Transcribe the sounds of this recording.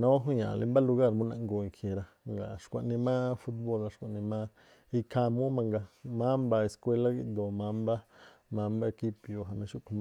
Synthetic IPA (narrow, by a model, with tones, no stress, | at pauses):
nõ˦ɦũ˦jã̰˨lʔi˧mba˦lu˧ɡa˦˧ɾmũ˦nã̰˧ʔŋɡo˧˨i˨˧kʰje˨ɾa˧ | ŋɡa̰˨ʃkʷa˧ʔnĩ˧mã˦fu˦t̪̚bo˧˨la˧ʃkʷa˨ʔnĩ˧mã˦ | i˧ka˧mũ˦mã˧ŋɡa˧mã˦mba˧e˧˨skʷe˧la˦ɡi˦ʔd̪o˨mã˧˦mba˦ | mã˧mba˦e˧ki˦pjo˨˧ɦa˨mẽ˧ʃu˦ʔku˧ma˦